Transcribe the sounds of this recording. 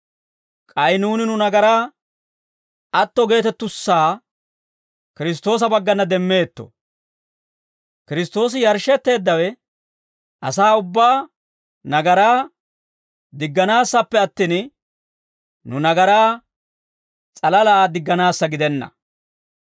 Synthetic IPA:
kʼɐjnuːnɪnʊnɐɡɐɾaː | ɐt̪ːɔɡe̞ːt̪ɛt̪ːʊsːaː | kɪɾɪs̬t̪o̞ːs̬ɐbɐɡːɐnɐd̪ɛmːe̞ːt̪ːɔ̥̰ | kɪɾɪst̪o̞ːs̬ɪjɐɾʃɛt̪ːe̞ːd̪ːɐwɛ | ʔɐsaːʊbːaː | nɐɡɐɾaː | d̪ɪɡːɐnaːsːɐpːɛɐt̪ːiːn | nʊnɐɡɐɾaː | t͡sʼɐlɐlaːd̪ɪɡːɐnaːsːɐɡɪd̪ɛnːɐ̰

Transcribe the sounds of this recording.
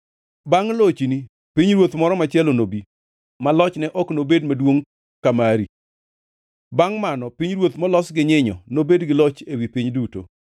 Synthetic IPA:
baŋlot͡ʃini | piɲɾwot̪mɔɾɔmat͡ʃɪɛlonobi | malɔt͡ʃnɛʔɔknobedmadwoŋ | kamaɾi | baŋmanɔpiɲɾwot̪mɔlɔsɡɪɲɪɲɔnobedɡɪlɔt͡ʃewipiɲduto̰

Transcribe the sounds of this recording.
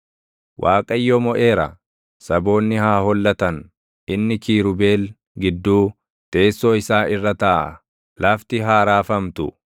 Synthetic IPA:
wʔaːkʼɐjːɔmɔʔe̞ːɾɐ̰ | sɐbo̞ːnːɪhaːhɔlːɐt̪ɐn | ʔɪnːɪkiːɾʊbe̞ːl | ɡɪd̪ːuː | t̪ʼe̞ːsːoɪsaːʔɪrːɐt̪ɐʔɐ | lɐft̪ɪɦaːɾaːfɐmt̪ʊ

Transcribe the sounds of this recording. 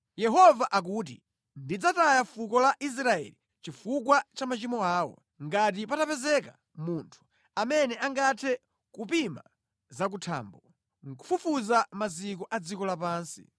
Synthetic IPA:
jɛɦɔvaʔak̬uːt̬ḭ | ndid͡zatajafukɔlaʔis̬ɾaɛ̰li | t͡ʃifukwat͡ʃamat͡ʃimɔaːwɔ̰ | ŋɡat̬ipatapɛzɛka | muntʰu̥ | amɛnɛaŋɡatʰɛ | kupima | zak̬utʰa̰ːmbɔ | ŋ̩kufufuzamazikɔʔad͡zikɔlapaːnsḭ

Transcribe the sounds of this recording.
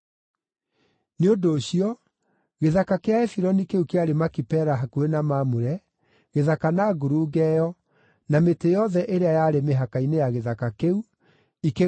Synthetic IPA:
neodoːɕiɔ | ɣeðakakeaɛfiɾɔnikeukeaɾemakipɛɾaɦakuɾenamaːmoɾɛ | ɣeðakanaːɡuɾuɡɛjɔ | nametejɔðɛʔeɾeajaːɾemeɦakainejaɣeðakakeu | ike

